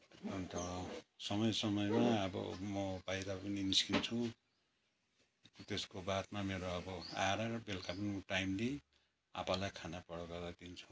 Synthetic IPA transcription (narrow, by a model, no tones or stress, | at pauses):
ʌnt̪ʌɽsʌmʌjsʌmʌjmaʌbʌ̰mʌbajɾapʌniniskint͡sʰu | t̪eskobat̪mameɾoʌbʌa̰ɾaɾʌbelkapʌnimʌʈajmle | a̰palajkʰanapʌɽʌkaɡad̪int͡sʰu